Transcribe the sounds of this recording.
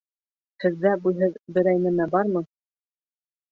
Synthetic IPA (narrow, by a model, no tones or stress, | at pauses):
hɘ̆ðːæbujɦɤðbɘ̆ɾæjnɘ̆mæbɑɾmɤ